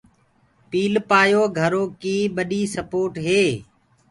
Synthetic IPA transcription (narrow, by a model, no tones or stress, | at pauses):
piːlpaːjoːɡʱəɾoːkiːɓəɗiːsəpoːʈɦeː